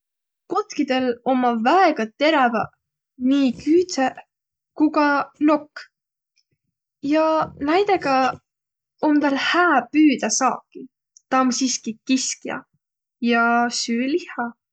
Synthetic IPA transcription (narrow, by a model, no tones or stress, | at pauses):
ko̞t̪kid̪e̞lo̞mːɑvæeɡ̥ɑt̪e̞ɾɑvɑ | niːkyːt̪se | kuɡɑno̞kː | jɑnæjd̪eɡɑ | omt̪ɑlhæːpyːd̪ɑsɑːkːi | t̪ɑmsiskikiskjɑ̰ | jɑsyːlihɑ